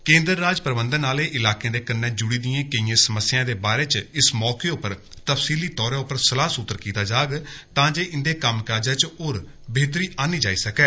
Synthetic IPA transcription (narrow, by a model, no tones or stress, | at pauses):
kẽːnd̪əɾːaːd͡ʒpɾəbənd̪ənaːleːʔɪlaːkẽːd̪eːkənːɛ̃ːd͡ʒʊɽiːd̪ɪjãːkəĩːãːsəməsːɪjãːd̪eːbaːɾeːt͡ʃɪsmɔːkeːʊpːəɾ | t̪əfsiːliːt̪ɔːɾãːʊpːəɾsəlaːsʊt̪ːəɾkiːt̪aːd͡ʒaːɡt̪ãːd͡ʒeːʔɪnd̪eːkəmkaːd͡ʒaːt͡ʃoːɾ | beːt̪ɾiːʔaːniːd͡ʒaːiːsəkɛː